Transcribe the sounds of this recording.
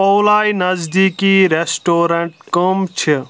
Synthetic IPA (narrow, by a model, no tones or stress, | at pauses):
owlaːinɐzd̪iːkiɾesʈoːɾɐɳʈ̚kəmt͡ʃʰi